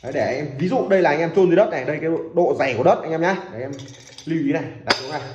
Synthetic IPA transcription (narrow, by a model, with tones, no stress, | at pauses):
ʔə˨˦jɗe˧˩ʔa˧ŋʔɛ˧mvi˨˦zṵ˧˨ɗə˧jlaː˨ʔa˧jŋʔɛ˧mt͡ɕo˧nt̪ʰːə˦˥t̚ɗa˨˩˨ɗə˧jkaː˨˦o̰˧˨ɗo̰˧˨za˨˧˩ku˧˩əɗə˦˥t̚ʔa˧jŋʔɛ˧mɲa˨˧e̟˧˩˨ʔɛ˧m | li˧˩wʔi˨˦na˨˩jɗa̰ː˧˨˦ŋna˨˩